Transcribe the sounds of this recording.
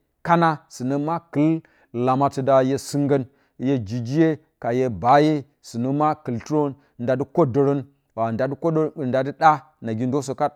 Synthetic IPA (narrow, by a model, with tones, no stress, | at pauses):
ka˦na˦sɨ˨nə˦ma˦kɨ˨˦l | la˨ma˨ti˨da˨je˦sɨ˦ŋɡə˦n˦ | je˦d͡ʒi˨d͡ʒi˦je˦ | ka˨je˦ba˦je˦ | sɨ˨nə˦ma˦kɨ˨ltu˦ɾo˦n | nda˨di˦ko˦do˨ɾo˦n | wa˨a˨dko˦˨nda˨di˦ɗa˦ | na˨ɡʲi˦ndo˦s̬o˨ka˦